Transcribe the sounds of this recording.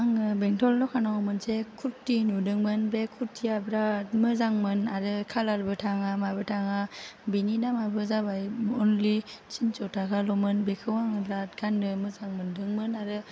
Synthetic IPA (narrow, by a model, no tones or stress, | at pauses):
aŋɯbeŋtʰɔlːɔkʰanaɔmɯnsekʰuɾtːinudɯŋmɯnbɾekʰuɾtʰːijabɾat̚mɯzaŋmɯnaɾɯkʰalaɾbɯtʰaŋamabɯtʰaŋabininamabɯzabajɔnlisint͡ʃɔtaɡalɔmɯnbekʰɯwaŋɯbɾat̚ɡandɯmɯzaŋmɯndɯŋmɯnaɾɯ